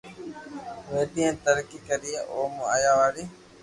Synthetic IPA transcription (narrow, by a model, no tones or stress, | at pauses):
ʋeːɗ̪iẽːt̪əɾkiːkəɾijeːʔoːma̰ːjaːʋaːɾiː